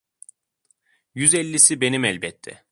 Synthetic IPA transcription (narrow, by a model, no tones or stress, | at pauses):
jyzɛlʲːisibe̞nimɛlʲbɛt̪ʰːɛ̰